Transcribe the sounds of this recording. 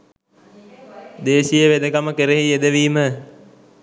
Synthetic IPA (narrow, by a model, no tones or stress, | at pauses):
d̪eːʃijəʋed̪əkaməkeɾeɦied̪əʋiːmə